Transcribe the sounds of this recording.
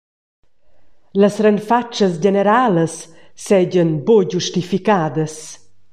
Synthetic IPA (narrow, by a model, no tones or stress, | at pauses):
ləsɾɛnfat͡ʃːəs̬d͡ʑeneɾaːləsː | ɛɟənboɟuʃtifikaːd̪əs